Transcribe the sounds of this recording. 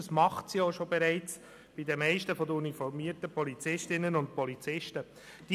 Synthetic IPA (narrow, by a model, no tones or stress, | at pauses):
əsmɑχtsjoːʃobɛɾɛɪt͡s | b̥ɪdəmɛɪʃtəfɔdəunifɔɾmiːəɾtəpɔlit͡sɪʃtɪnːənʊnt̚pɔlit͡sɪʃtə | d̥i